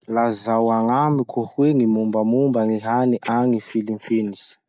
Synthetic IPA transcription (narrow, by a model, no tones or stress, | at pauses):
lazawaŋamikʰuhwenimumbamumbaŋiɦaniʔaŋifilimpini̥